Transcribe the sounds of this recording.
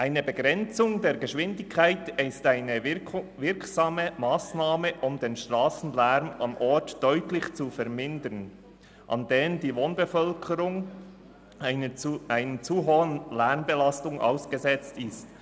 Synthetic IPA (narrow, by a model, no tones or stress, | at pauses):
ʔaɪnəbəɡɾɛnt͡sʊŋdeːɾɡəʃʋɪndɪkʰːaɪtɪstaɪnəvɪɾksɑːməmaːsnaːməʔʊmdeːnʃtʁaːsn̩lɛɾmɑnʔɔɹtd̥œʏtlɪçt͡sufɛɾmɪndən | ʔɑ̰ndeːndiːvoːnbəfœlkʰəɾʊŋ | ʔaɪnənt͡suɦoːənlɛɾmbəlɑstʊŋʔa̰ʊsɡ̥əzɛt͡stɪst